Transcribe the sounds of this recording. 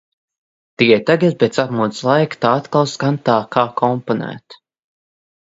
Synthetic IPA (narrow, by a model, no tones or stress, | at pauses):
t̪iɛt̪aɡat̪̚bʲet̪sapmut̪slˠajkt̪aːat̪kalˠskant̪aːkʰaːkʰɔmpɔnæ̰ːt̪